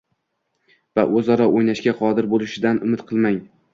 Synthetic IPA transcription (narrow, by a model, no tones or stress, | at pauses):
vaʔɵzɒɾɒʔojnaʃkʲaqʰɒd̪ɪɾbolˠɪʃɪd̪anʊmɪt̪qʰɨlˠmaŋ